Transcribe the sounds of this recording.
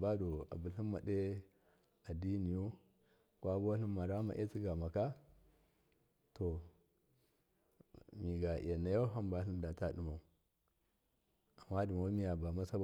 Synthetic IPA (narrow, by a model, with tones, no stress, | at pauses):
ba˦do˨a̰˨bu˨ɬi˦nma˨de˦ | a˨di˦ni˨jo˦ | kwa˦bo˦ɬi˦ma˨ɾa˦ma̰˨ʔe˦t͡si˦ɡa˨ma˨ka˦ | to˨ | mi˨ɡa˨ḭ˨ja˨na˨ja˦ɦa˦mba˦ɬi˦nda˨ta˦ɗi˨ma˨u˨ | a˨mːa˦du˨m˨o˦mi˦ja˨ba˨ma˦sa˦ba˦